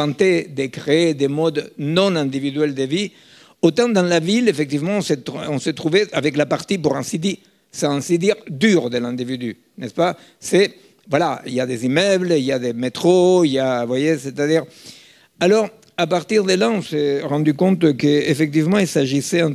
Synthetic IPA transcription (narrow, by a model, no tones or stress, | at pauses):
ɑ̃nt̪ed̪ekʁeed̪emɔd̪nõnɛ̃nd̪ivid̪ɥɛld̪evi | ot̪ɑ̃d̪ɑ̃lavilefek̚t̪ivmɑ̃set̪õset̪ʁuveavɛklapaʁt̪ipuʁɛ̃sid̪i | sɛ̃ɛ̃sid̪iʁd̪yʁd̪elɛ̃nd̪ivid̪y | nɛspa | se | vwalaḭljad̪ezimœbliljad̪emet̪ʁoiljavwajeset̪ad̪iʁ | alɔʁ | apaʁt̪iʁd̪əlaõseʁɑ̃nd̪ykɔ̃nt̪kəefek̚t̪ivmɑ̃ilsaʒiseɛ̃